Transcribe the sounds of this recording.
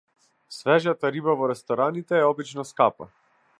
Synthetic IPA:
svɛʒat̪aɾibavɔɾɛst̪ɔɾanit̪ɛːɔbit͡ʃnɔskapa̰

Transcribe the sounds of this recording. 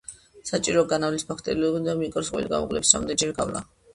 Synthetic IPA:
sat͡ʃʼiɾɔɡanavlispʰakʰt̪ʼɛɾilɔbid̪amikʼɔɾsqʼwḭliɡa̰mṵqʼlɛ̰psɾa̰md̪ɛd͡ʒɛɾɡavla̰

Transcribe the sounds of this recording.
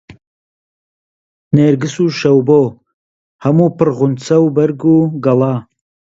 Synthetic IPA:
neːɾɡɨsuʃɐwboː | hɐmuːpʰɨɾɣʊnt͡sɐwbɐɾɡuːɡɐlˠɑː

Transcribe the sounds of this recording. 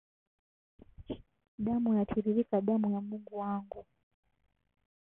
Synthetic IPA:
ɗamujatʰiɾiɾikaɗamujamuŋɡuwaŋɡu

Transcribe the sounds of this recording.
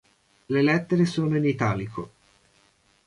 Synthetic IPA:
lelɛt̪ːeɾesoːnoinit̪aːlikʰo

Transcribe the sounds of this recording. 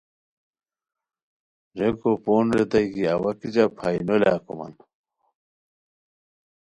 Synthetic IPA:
d͡ʑekopoːnɾet̪ɐjkiɐwɐkid͡ʑapʰajnola̰ːko̰mɐ̰n

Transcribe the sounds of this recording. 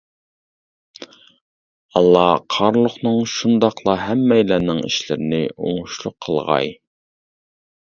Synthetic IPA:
ɑlˠːɑqʰɑɾlˠʊχnɨŋʃund̪ɑqlˠɑɦɛmːɛjlænɪŋḭʃlɪɾɪnɪʔo̰ŋʊʃlˠʊqʰːəlˠʁɑ̰j

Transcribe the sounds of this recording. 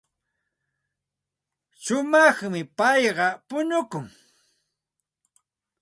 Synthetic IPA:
sʊmɑχmɪpɑjɢɑpʊɲʊkʊŋ

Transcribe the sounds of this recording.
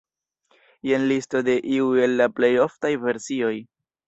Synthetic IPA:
jenlisto̞de̞ʔiue̞lːaple̞jo̞ftajve̞ɾsio̞j

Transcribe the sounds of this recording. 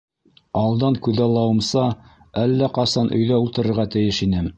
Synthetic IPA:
ɑlˠd̪ɑŋkʉðɑlˠːɑwɤ̆msɑ | ælːæqɑsɑnʔɵ̆jðæulˠt̪ɤ̆ɾɤ̆ɾʁɑt̪ɘ̆jɘʃinɘm

